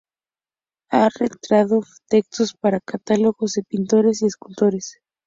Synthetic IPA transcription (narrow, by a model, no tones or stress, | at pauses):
aret̪ɾaðot̪ekst̪ospaɾakat̪alo̞ɣozðepint̪o̞ɾesieskult̪o̞ɾes